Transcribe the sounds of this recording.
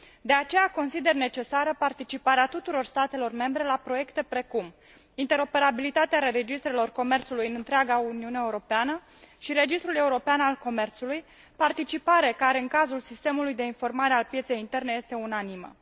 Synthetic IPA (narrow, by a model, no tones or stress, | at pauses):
d̪e̞at͡ʃe̞jako̞nsid̪e̞rne̞t͡ʃe̞saɾəpart̪it͡ʃipaɾeat̪ut̪uɾo̞rst̪at̪e̞lo̞rme̞mbɾe̞lapɾo̞je̞kt̪e̞pɾe̞kum | int̪e̞ɾo̞pe̞ɾabilit̪at̪eaɾe̞d͡ʒist̪ɾe̞lo̞rko̞me̞rt̪sulujɨnɨnt̪ɾeaɡauniuneaeuɾo̞peanə | ʃiɾe̞d͡ʒist̪ɾule̞uɾo̞peanalko̞me̞rt̪suluj | part̪it͡ʃipaɾe̞kaɾe̞ɨnkazulsist̪e̞mulujd̪e̞info̞rmaɾe̞alpje̞t̪se̞jint̪e̞rne̞je̞st̪e̞unanimə̰